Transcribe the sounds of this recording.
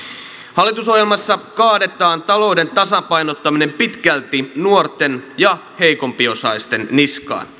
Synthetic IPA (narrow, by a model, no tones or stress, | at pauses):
hɑlːit̪uso̞ɦjelmɑsːɑkɑːde̞t̪ˑɑːnt̪ɑlo̞wde̞nt̪ɑsɑpɑjnot̪ːɑmine̞mpit̪kælt̪inuort̪ːenjɑ | hejko̞mpio̞sɑist̪e̞nːiskɑ̰ːn